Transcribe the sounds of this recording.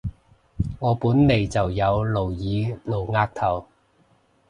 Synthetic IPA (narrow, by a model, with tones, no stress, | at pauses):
ŋɔː˨˧puː˨˥nne˨˩jt͡sɐ˨wjɐ˨˧wlo˨˩wjiː˨˧no˨˩wŋaː˧k̚t̪ʰɐ˨˩w